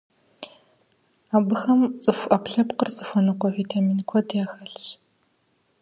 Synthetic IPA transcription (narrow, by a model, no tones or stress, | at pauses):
aːbɨxɐmt͡sʼɨfʷɐpɬɐpqərt͡sʼɨfʷɔnɨqʷɔviːtʰamiːnkʷʰɔdjaːxɐɬɕ